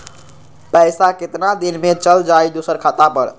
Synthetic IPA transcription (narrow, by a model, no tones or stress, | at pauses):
pəsaket̪nad̪inmet͡ʃəld͡ʒajd̪osəɾkʰat̪apəɾ